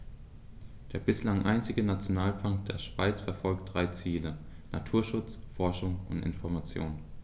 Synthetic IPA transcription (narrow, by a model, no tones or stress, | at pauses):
d̥eːɐbɪslaŋʔa̰ɪnt͡sɪɡənat͡sjonaːlpʰaŋkd̥eːɐʃv̥aɪt͡sfɛɐfɔlk̚t̚d̥ʁaɪt͡siːlə | nʔa̰tʰuːɐʃʊt͡s | fɔɐʃʊŋʊ̰ntɪ̰nfɔɐmat͡sjo̰ːn